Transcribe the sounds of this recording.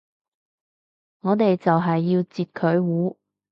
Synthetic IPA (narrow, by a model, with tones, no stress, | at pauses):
ŋɔː˨˧t̪e˨jt͡sɐ˨wɦɐ˨jːiː˧wt͡siː˨t̚kʰɵ˨˧ɥwuː˨˥